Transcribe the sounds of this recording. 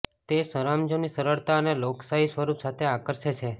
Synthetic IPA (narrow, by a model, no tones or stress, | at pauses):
t̪esəɾamd͡ʒonisəɾəɭt̪aəneloksaɦisʋəɾupsat̪ʰeakəɾʃet͡ʃʰe